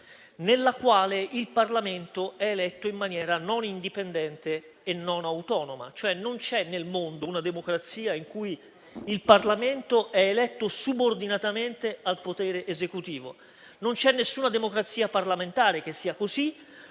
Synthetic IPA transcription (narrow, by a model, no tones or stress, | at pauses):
nelːakwaːleilparlament̪oɛːlɛt̪ːoimːanjɛːɾanonind̪ipend̪ɛnt̪eː | nːonawt̪ɔːnoma̰t͡ʃoɛnːont͡ʃɛnːelmond̪ounad̪emokɾat̪siːaiŋkuj | ilparlament̪oʔɛelɛt̪ːosubord̪inat̪ament̪ealpot̪ɛːɾeʔːzekut̪iːvo̰ | nont͡ʃɛnːesːuːnad̪emokɾat̪sːiːaparlament̪aːɾek̟esːiːakozi